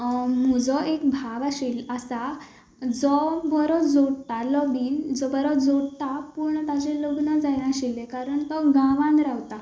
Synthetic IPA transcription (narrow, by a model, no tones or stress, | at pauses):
mməd͡zɔʔekbʱaʋaɕilasa | d͡zɔbʱəɾɔd͡zoɽt̪alɔbiːnd͡zɔbəɾɔd͡zoɽt̪apuɾɳət̪at͡ɕẽləɡnəd͡zajnaɕilekaɾəɳt̪ɔɡãʋãnɾaʋt̪a